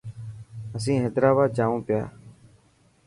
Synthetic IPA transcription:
əsĩːɦed̪ɾaːbaːd͡ʒaːʋũːpɪja̰ː

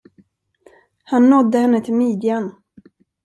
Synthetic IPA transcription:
hanːɔd̪ːəhɛnːət̪ʰɪlmiːd̪ɪan

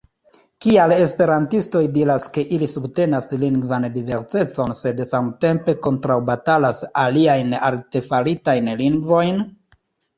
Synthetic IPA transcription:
kiale̞spe̞ɾantisto̞jdiɾaske̞ʔilisubte̞nasliŋɡvandive̞ɾse̞t͡so̞nse̞dsamte̞mpe̞ko̞ntɾawbatalasaliajnalte̞falitajnliŋɡvo̞jn

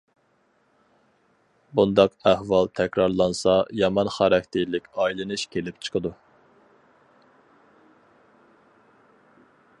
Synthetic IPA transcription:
bund̪ɑqæhwɑlˠt̪ʰɛkʲɾɑɾlˠɑnsɑjɑmɑnχɑɾɑkʲt̪ʰɪɾlɪkʲɑjlˠɨnɨʃkʲʰelɪpt͡ʃʰə̥qʰəd̪u

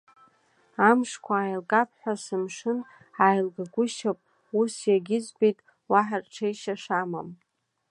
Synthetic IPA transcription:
amʂkʷʰaːjlkʼapʰħʷᶣasɨmʂɨn | ajlɡaɡʷʊʃapʼ | usjaɡʲɪd͡zbejtʼ | waħarʈ͡ʂʰejʃaʂama̰m

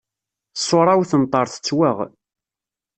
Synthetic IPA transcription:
sˤoɾˤawθənt̪ˤːɑɾˤθə̥t͡sːwəʁ

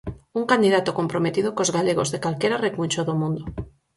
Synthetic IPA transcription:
uŋkand̪iðat̪oko̞mpɾomet̪iðokozɣaleɣ̞o̞zðekalke̞ɾarekunʲt͡ʃoðomũnd̪o

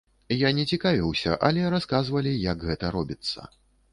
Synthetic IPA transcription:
janʲɛt͡sʲikavʲiwsʲɐ̰ʔalʲɛɾaskazvɐlʲijɐɡɣɛt̪ɐɾɔbʲit̪sːɐ̰

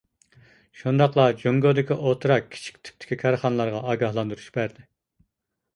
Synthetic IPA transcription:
ʃund̪ɑqlˠɑd͡ʒoŋɡod̪ɪkʲiʔot̪ʰɨɾɑkʲʰi̥t͡ʃʰi̥kʲt̪ʰɪ̥k̚ʲt̪ʰɪ̥kʲikʲʰɑɾχɑnɨlˠɑɾʁɑɑːɡʲɑhlˠɑnd̪uɾuʃbæɾd̪ɪ

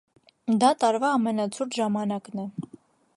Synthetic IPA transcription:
d̪ɑt̪ɑɾvɑːmɛnɑt͡sʰuɾt͡ʃʰʒɑmɑnɑknɛ

